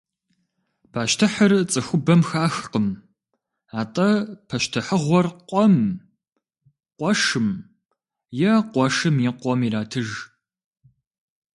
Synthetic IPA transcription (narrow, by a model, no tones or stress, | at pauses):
pʰaːʃtʰɨħərt͡sʼɨxʷʊbɐmxaːxqəm | aːtʼɐpʰɐʃtʰɨħəʁʷɔrqʷʼɔm | qʷɔʂɨm | jɛqʷɔʂɨmiːqʷɔmiɾaːtʰɨʒ